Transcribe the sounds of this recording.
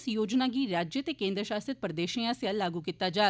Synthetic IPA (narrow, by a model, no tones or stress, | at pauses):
sjoːd͡ʒnãːɡiːɾaːd͡ʒjət̪eːkẽːnd̪ɾəʃaːsət̪̚pəɾəd̪eːʃiːãːsjaːlːaːɡuːkit̪ːaːd͡ʒaː